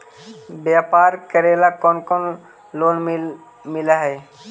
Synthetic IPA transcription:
bjapaɾkəɾelakɔnkɔn | lon | mɪlaɦɛ

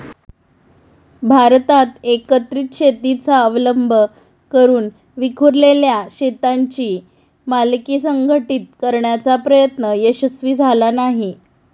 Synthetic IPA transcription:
bʱaɾt̪at̪ekət̪ɾiːt̪ɕet̪it͡saəʋləmbʱə | kəɾuːn | ʋikʰuɾleljaɕet̪aɲt͡ɕiː | malkiːsəŋɡʱəʈiːt̪̚kəɾɳjat͡sapɾəjət̪nəjəɕəsʋiːd͡zʱalanaɦi

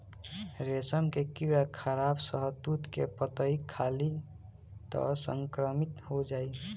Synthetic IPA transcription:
ɾesəmkekiɾakʰəɾabsəɦəd̪ut̪kḛpət̪əikʰali | t̪ɔ̰sə̰ŋkɾəmit̪hod͡ʒaːi

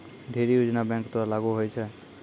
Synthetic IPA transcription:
ɖʱeɾijud͡ʒnabɛ̃ŋkt̪ɔaɾlaɡuɦojt͡ʃʰə

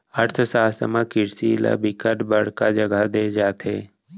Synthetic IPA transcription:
əɾt̪ʰsaːst̪əmãkɪɾsila̰bɪkəʈbəɽ̤kad͡ʒəɡad̪eːd͡ʒaːt̪ʰɦḛː

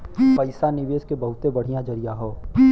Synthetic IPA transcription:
pəɪsanɪʋeːskebɐɦʊt̪ebɐɽ̤ijãd͡ʒɐɾijaɦoː

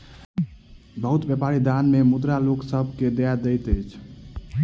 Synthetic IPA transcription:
bəɦut̪bjəpaɾid̪anmemud̪ɾaloksəbʱked̪ejad̪əjt̪əjt͡ʃʰ

